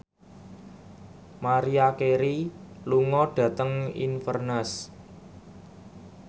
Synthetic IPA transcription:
maɾiakeɾiluŋɔɖ̥ä̤t̪əŋḭnfərnəs

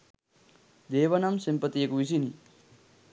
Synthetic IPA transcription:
d̪eːʋɐnɐmsimpɐt̪ijekuisini

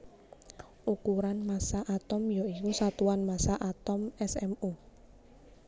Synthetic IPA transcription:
ʔukuɾanmasaʔat̪ɔmjɔikusat̪uwanmasaʔat̪ɔmɛsɛmu

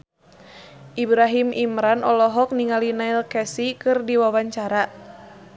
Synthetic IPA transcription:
ʔibɾaɦimimɾanʔɔlɔɦɔk̚niŋalinailkɛsikɨrdiwawaɲt͡ʃaɾa

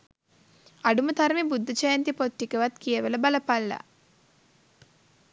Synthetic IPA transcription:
ɐɖumɐt̪ɐɾmibud̪ːɐt͡ʃɐjɐnt̪ipot̪ːikeʋɐt̪kijeʋɐlɐbɐlɐpɐlːa̰

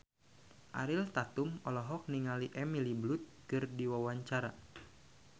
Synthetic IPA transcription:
ʔa̰ɾilt̪at̪umɔlɔɦɔk̚niŋaliʔɛmiliblut̪̚kɨrdiwawaɲt͡ʃaɾa

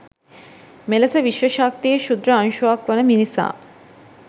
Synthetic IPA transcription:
meləsəʋiʃʋəʃaːk̚t̪ijəʃud̪ɾəɐŋʃuakʋənəminisa̰ː

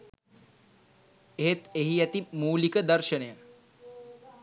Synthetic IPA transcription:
eɦet̪eɦiæt̪imuːlikəd̪əɾʃənəjə

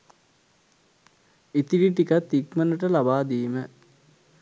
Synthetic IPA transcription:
it̪iɖiʈikat̪ːikmənəʈəlabaːd̪iːmə

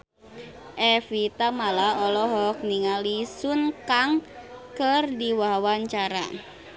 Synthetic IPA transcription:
ʔɛfit̪amalaɔlɔɦɔk̚niŋalisunkaŋkərdiwawaɲt͡ʃaɾa̰

